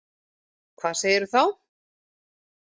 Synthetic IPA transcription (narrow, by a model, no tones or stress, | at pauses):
kʰvaːðseːjɪɾʏθaw